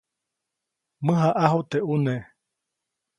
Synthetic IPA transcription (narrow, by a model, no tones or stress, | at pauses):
mɨ̃ɦaʔaɦot̪eʔune